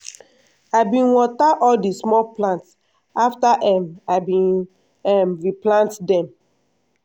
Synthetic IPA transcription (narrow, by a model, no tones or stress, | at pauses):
aɪbĩnwɔtaʔɔldismɔplãnts | aftaʔɛmabĩn | ɛmɹiplãntdɛ̃m